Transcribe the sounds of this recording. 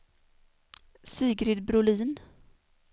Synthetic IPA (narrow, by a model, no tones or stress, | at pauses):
siːɡɾɪd̪bɾʊliːn